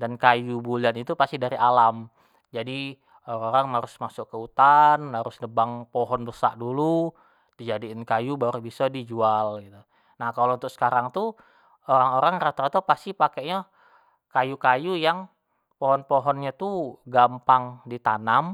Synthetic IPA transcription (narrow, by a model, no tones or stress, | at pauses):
dankajubulianit̪upast̪idaɾiʔalam | d͡ʒadi | oɾaŋoɾaŋmaɾʊsmasʊkːəut̪anhaɾʊsnəbaŋpɔɦɔnbəsa̰ʔdulu | d̥id͡ʒadiːnkajubaɾubisɔdid͡ʒualɡit̪u | nahkalount̪ʊk̚sə̥kaɾaŋt̪u | oɾaŋoɾaŋɾat̪aɾat̪opast̪ipakeʔɲa | kajukajujaŋ | pɔɦɔnpɔɦɔnɲat̪uɡampaŋdit̪anam